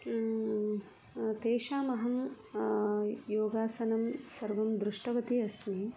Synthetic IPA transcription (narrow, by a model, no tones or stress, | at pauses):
t̪eːʃaːmɐɦɐm | joːɡaːsɐnɐmsɐɾʋɐmd̪ɾuʂʈɐʋɐt̪iɐsmi